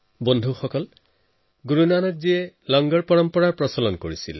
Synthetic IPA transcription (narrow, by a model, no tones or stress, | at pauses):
bondʱuxɔkɔl | ɡuɹunanɔtziɛlɔŋɡɔɹpɔɹɔmpɔɹaɹpɹɔsɔlɔnkoɹisḭl